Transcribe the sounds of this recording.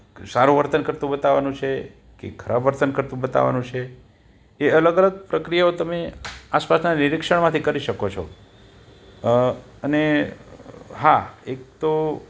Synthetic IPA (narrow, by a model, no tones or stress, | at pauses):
saɾuʋəɾt̪ənkəɾt̪ũbət̪aʋanũt͡ʃʰe | kḛkʰəɾabəɾt̪ənkəɾt̪ũbət̪a̰ʋa̰nũt͡ʃʰeː | ələɡələɡ̚pɾəkɾijaot̪əmeaspasnanɪɾɪkʂəɳmãt̪ʰikəɾiʃəkot͡ʃʰo̰ | əne | ɦaek̚t̪o